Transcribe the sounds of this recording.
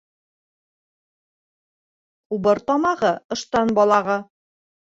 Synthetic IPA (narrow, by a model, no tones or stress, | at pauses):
ubɤɾt̪ɑmɑʁɤɤ̆ʃt̪ɑnbɒlˠɑʁɤ